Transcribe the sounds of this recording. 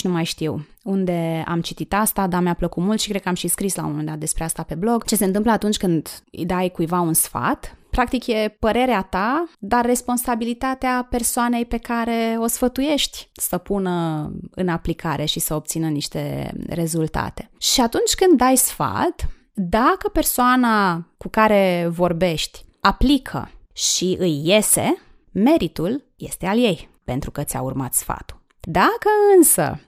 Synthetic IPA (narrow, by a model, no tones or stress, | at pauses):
numajʃt̪iwund̪e̞a̰mt͡ʃit̪it̪ast̪ad̪ameapləkut̪mult̪ʃikɾekəamʃiskɾislawoomend̪at̪̚d̪e̞spɾeast̪ape̞blo̞ɡt͡ʃe̞sent̪ɨmpləat̪unt͡ʃʲkɨnd̪ɨ̰jd̪ajkujvaunsfa̰t̪pɾak̚t̪ikje̞pəɾe̞ɾeat̪ad̪arːe̞spo̞nsabilit̪at̪eape̞rsoane̞jpe̞kaɾe̞o̞sfət̪uje̞ʃt̪ʲsəpunəɨ̰naplikʰaɾe̞ʃisəo̞pt̪sinəniʃt̪e̞̰ɾe̞zult̪a̰t̪e̞̥ʃiat̪unt͡ʃʲkɨnd̪ːajsfa̰lt̪ | d̪akəpe̞rsoanakukaɾe̞vo̞rbe̞ʃt̪ʲaplikʰə̰ʃiʔɨjːe̞se̞ | me̞ɾit̪ul | je̞̰st̪e̞alje̞jpe̞nt̪ɾukət̪sʲa̰urmat̪sfa̰t̪u̥ | d̪akəɨnsə̰